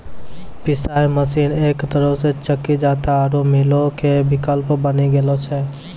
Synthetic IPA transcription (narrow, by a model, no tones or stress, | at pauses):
pisajməsinekt̪əɾəset͡ʃəkːid͡ʒat̪aːɾomilokebikəlpbəniɡelɔt͡ʃʰɛ